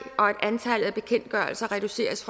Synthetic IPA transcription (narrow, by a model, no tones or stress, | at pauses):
ʔɒ̽e̝d̥ænt͡sʰæləð̩ˠæb̥e̝kʰen̰d̥ɡ̥ɶɐlsɐʁɛd̥use̝̰ːɐsfʁɑ